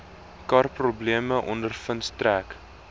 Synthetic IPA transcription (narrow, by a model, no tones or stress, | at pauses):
kɐrprubliəməʔɔndərfənstræk